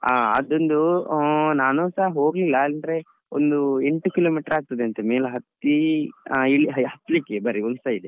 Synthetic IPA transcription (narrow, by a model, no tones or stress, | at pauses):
aːɐ̰d̪ond̪u | naːnoːsaːɦɐɦo̞ːɡlilːand̪ɾe̞ | o̰nd̪ueɳʈukiloːmiːʈɐɾaːɡ̚t̪ɐd̪eɐnt̪emeːlɦɐt̪ːi | iɭiɦɦɐt̪ːlikːebɐɾiulsaid̪e